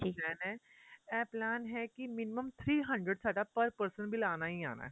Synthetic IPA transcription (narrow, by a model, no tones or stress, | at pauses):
ʈʰiːkɛːnɛ̃ | ɛːplaːnɦɛkimɪnɪməmt̪ʰɾiːɦɐ̃ɳɖɾəɖsaːɖapəɾpəɾsə̃nbʱilaːnaɦia̰ːna̰ː